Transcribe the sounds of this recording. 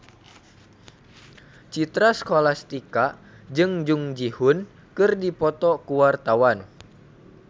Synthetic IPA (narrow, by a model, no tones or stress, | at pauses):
t͡ʃit̪ɾaskolast̪ikad͡ʒɨŋd͡ʒuŋd͡ʒihun | kɨrdipɔt̪ɔkuwart̪awan